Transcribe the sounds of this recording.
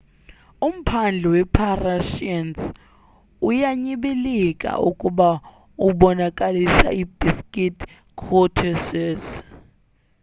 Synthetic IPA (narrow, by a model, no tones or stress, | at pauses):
um̩pʰand͡ɮʱɛwɛpʰaraʃians | ujaɲiɓilikʼa̰ʔṵkʼuɓa | uɓɔnakʼalisa̰ib̥iskʼitʰ | kʰɔtʰɛsɛs